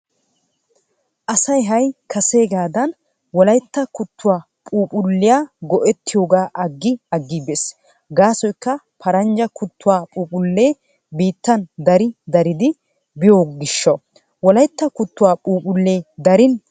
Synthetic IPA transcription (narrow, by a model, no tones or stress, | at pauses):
ʔɐsɐjɦɐjkʰɐse̞ːɡaːd̪ɐn | wɔlɐjt̪ːɐkʊt̪ːʊwaː | pʼuːpʼʊlːɪjaːɡɔʔɛt̪ːɪjo̞ːɡaːʔɐɡːɪɐɡːiːbes | ɡaːsɔjkːɐ | pʰɐɾɐnd͡ʒɐkʊt̪ːʊwaːpʼuːpʼʊlːe̞ː | biːt̪ːɐnd̪ɐɾɪd̪ɐɾɪd̪ɪ | bɪjoːɡɪʃːɐ | wɔlɐjt̪ːɐkʊt̪ːʊwaːpʼuːpʼʊlːe̞ːd̪ɐɾɪn